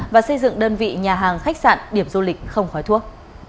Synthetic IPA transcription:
vaː˨˩sə˧jzɨ̰˧˨ŋɗəː˧nvḭ˧˨ɲaː˨˩ɦaː˨˩ŋxa˦˥k̟̚sa̰ː˧˨nɗi˧˩əmzu˧lï˨˩k̟̚xə˧wŋ͡mxɔ˨˦jt̪ʰu˦˥ək̚

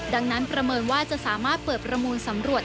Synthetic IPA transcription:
da˧ŋna˦˥npɾa˧mɤː˧nwaː˥˩t͡ɕa˨˩ʔsaː˩˦maː˥˩t̪̚pɤː˨˩t̪̚pɾa˧muː˧nsa˩˦mɾu˨˩ət̪̚

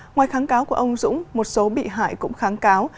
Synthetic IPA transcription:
ŋwaː˨˩jxaː˨˦nkaː˨˦wku˧˩əʔə˧wŋ͡mzʊ̰˧˥ŋ͡mmo˨˩t̚so˨˦ɓḭ˧˨ɦa̰ː˧˨jkʊ̰˧˥ŋ͡mxaː˨˦nkaː˨˦w

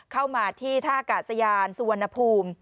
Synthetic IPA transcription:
kʰa˥˩wmaː˧t̪ʰiː˥˩t̪ʰaː˥˩kaː˨˩t̪̚sa˧jaː˧nsu˧a˧nːa˧pʰuː˧m

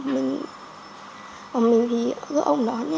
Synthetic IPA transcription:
mï˨˩ŋ̟ | aː˨˩ɓi˨˩vi˨˩kɨ˨˦kʔə˧wŋ͡mɗɔ˨˦nɛ˧˦

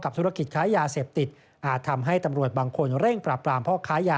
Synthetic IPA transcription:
ka˨˩p̚t̪ʰɾa˧ki˨˩t̪̚kʰaː˦˥jaː˧seː˨˩p̚t̪i˨˩t̪̚ | ʔaː˨˩t̪ʰːa˧mɦa˥˩jt̪a˧mɾu˨˩ət̪̚baː˧ŋkʰo˧nɾe˥˩ŋpɾaː˨˩pːɾaː˧mpʰɔː˥˩kʰaː˦˥jaː˧

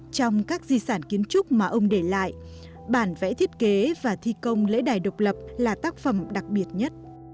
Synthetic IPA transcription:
t͡ɕɔ˧wŋ͡mkaː˦˥k̚zi˧saː˧˩nki˨˦ənt͡ɕʊ˦˥k͡p̚maː˨˩ʔə˧wŋ͡mɗe˧˩la̰ː˧˨jʔ | ɓaː˧˩nvɛ̰˧˥t̪ʰi˦˥ət̚ke˨˦vaː˨˩t̪ʰi˧kə˧wŋ͡mlḛ˧˥ɗaː˨˩jɗə˨˩wk͡p̚lə˨˩p̚laː˨˩t̪aː˦˥k̚fə˨˧˩mɗa˨˩k̚ɓi˨˩ət̚ɲə˦˥t̚

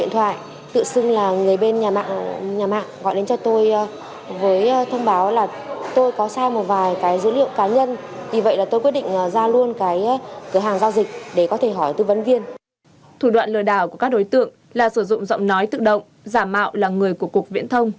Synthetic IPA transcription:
ɗḭ˧˨nt̪ʰwa̰ː˧˨j | t̪ɨ̰˧˨sɨ˧ŋlaː˨˩ŋɨ˨˩əjɓe˧nɲaː˨˩ma̰ː˧˨ŋɲaː˨˩ma̰ː˧˨ŋɣɔ̰˧˨jɗe˨˦nt͡ɕɔ˧t̪o˧j | vəː˨˦jt̪ʰə˧wŋ͡mɓaː˨˦wlaː˨˩ | t̪o˧jkɔ˨˦saː˧jmo˨˩t̚vaː˨˩jkaː˨˦jzɨ̰˧˥lḭ˧˨əwkaː˨˦ɲə˧n | vi˨˩və̰˧˨jlaː˨˩t̪o˧jkwt̚ɗḭ˧˨ŋ̟ʔə˨˩zaː˧lu˧ənkaː˨˦jkəː˧˩ɦaː˨˩ŋzaː˧wzï˨˩k̟̚ɗe˧˩kɔ˨˦t̪ʰe˧˩ɦɔ˧˩jt̪ɨ˧və˨˦nvi˧ən | t̪ʰu˧˩ɗwa̰ː˧˨nlɨ̰˧˩əɗaː˧˩wku˧˩əkaː˦˥k̚ɗo˨˦jt̪ɨ̰˧˨əŋ | laː˨˩sɨ˧˩zʊ̰˧˨ŋ͡mzɔ̰˧˨wŋ͡mnɔ˨˦jt̪ɨ̰˧˨ɗə̰˧˨wŋ͡m | zaː˧˩ma̰ː˧˨wlaː˨˩ŋɨ˨˩əjku˧˩əkːək̚vḭ˧˥ənt̪ʰə˧wŋ͡m

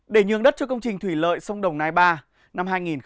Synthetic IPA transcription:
ɗe˧˩ɲɨ̰˧əŋɗə˦˥t̚t͡ɕɔ˧kə˧wŋ͡mt͡ɕï˨˩ŋ̟t̪ʰwi˧˩lə̰ː˧˨jsə˧wŋ͡mɗə˨˩wŋ͡mnaː˧˩jɓaː˧ | na˧mɦaː˧jŋi˨˩n

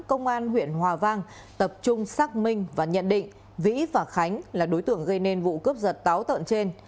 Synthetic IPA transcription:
kə˧wŋ͡mʔaː˧nɦwḭ˧˨ənhwaː˨˩vaː˧ŋ | t̪ə˨˩p̚t͡ɕʊ˧ŋ͡msaː˦˥k̚mï˧ŋ̟vaː˨˩ɲə̰˧˨nɗḭ̈˧˨ŋ̟ | vḭ˧˥vaː˨˩xa˨˦jŋ̟laː˨˩ɗo˨˦jt̪ɨ̰˧˨əŋɣə˧jne˧nvṵ˧˨kə˦˥p̚zə˨˩t̚t̪aː˨˦wt̪ə̰˧˨nt͡ɕe˧n

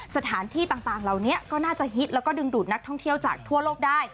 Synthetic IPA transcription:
sa˧t̪ʰaː˩˦nt̪ʰiː˥˩t̪aː˨˩ŋt̪aː˨˩ŋɾa˨˩wni˦˥ɐkɔː˥˩naː˥˩t͡ɕa˨˩ɦi˦˥t̪̚lɛː˦˥wkɔː˥˩dɯ˧ŋduː˨˩t̪̚na˦˥k̚t̪ʰɔ˥˩ŋt̪ʰi˥˩əwt͡ɕaː˨˩k̚t̪ʰu˥˩əloː˥˩k̚daː˥˩j

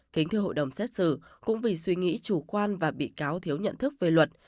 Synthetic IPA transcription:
ki˨˦ŋ̟t̪ʰɨ˧əɦo̰˧˨jɗə˨˩wŋ͡msɛ˦˥t̚sɨ̰˧˩kʊ̰˧˥ŋ͡mvi˨˩swi˧ŋḭ˧˥t͡ɕu˧˩kwaː˧nvaː˨˩ɓḭ˧˨kaː˨˦wt̪ʰi˨˦əwɲə̰˧˨nt̪ʰɨ˦˥k̚ve˨˩lwə˨˩t̚

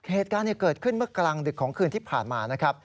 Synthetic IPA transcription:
heː˨˩t̪̚kaː˧ni˥˩əkɤː˨˩t̪̚kʰɯ˥˩nmɯ˥˩ɐklaː˧ŋdɯ˨˩kʰːɔː˩˦ŋkʰɯː˧nt̪ʰiː˥˩pʰa̰ː˨˩nmaː˧na˦˥kʰɾa˦˥p̚

